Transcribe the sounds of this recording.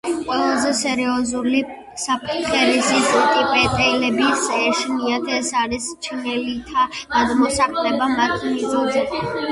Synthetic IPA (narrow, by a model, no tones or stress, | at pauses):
qʼwɛlˠazɛsɛɾiɔzuli | sapʰt̪χɛɾisist̪ʼipʼɛt̪ʼɛilɛbisɛʃniat̪ʰɛsaɾist͡ʃʰχɛlit̪ʰaɡ̥ad̪mɔsaqʼlɛbamat̪ʰimizɔzɛ